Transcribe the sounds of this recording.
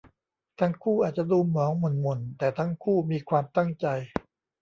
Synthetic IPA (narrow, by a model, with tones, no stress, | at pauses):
t̪ʰa˦˥ŋkʰuː˥˩ʔaː˨˩t̪̚t͡ɕa˨˩ʔduː˧mɔː˩˦ŋmo˨˩nmo˨˩nt̪ɛː˨˩t̪ʰa˦˥ŋkʰuː˥˩miː˧kʰwaː˧mt̪a˥˩ŋt͡ɕa˧j